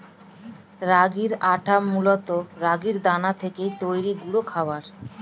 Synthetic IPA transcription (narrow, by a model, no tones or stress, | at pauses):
ɾaɡiɾaʈʰamːulot̪oɾaɡiɾd̪anat̪ʰekejt̪ojɾiɡuɽokʰaoaɾ